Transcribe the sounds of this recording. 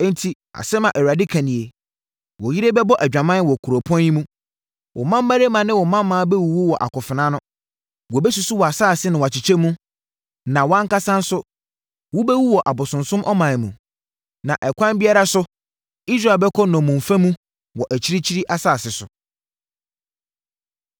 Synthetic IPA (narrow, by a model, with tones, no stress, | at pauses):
n̩˦tʰi˨ | a̰˨sɛ˦mã˨ʔɛ˨ɥa˨dɪ˦kʰæ̃˨nĩ˨e˨ | wɔ˨ji˦ɾe˦bɛ˦bɔ˦ʔæ˨d͡ʑᶣã˨mã˦wɔ˨kʰu˨ɾo˨pʰɔ̃˦njĩ˦mũ˦ | wʔɔ̰˨mã˦m˦ma˦ɾe˦mã˨nɪ̃˦wɔ˨mã˦mː˦ãː˦bɛ˦wu˨wu˦wɔ˨ʔa̰˨kʊ˨fɪ˨nã˦nʊ̃˦ | wɔ˨bɛ˦su˦sʊ˦wɔ˨a˨saː˦˨sɪ˦nɪ̃˨wa˨t͡ɕɪ˨t͡ɕʰɛ˦mũ˦ | nã˨wã˦ŋ˦ka˦sã˦n̩˦sʊ˦ | wɔ˦bɛ˦wu˦wɔ˨ʔa˨bʊ˨sʊ̃˨nsʊ̃˦mʔɔ˦mã˨mṵ̃˨ | nã˨ʔɛ˨kʷʰã˦bi˦a˦ɾa˦sʊ˦ | i˦s̬ɾa˨bɛ˦kʰɔ˦nɔ̃˨mũ˨ɱ˨fã˦mũ˦ | wɔ˨ʔæ˨t͡ɕʰi˦ɾi˦t͡ɕʰi˦ɾi˦ʔa˦saː˦˨sɪ˨sʊ̰˨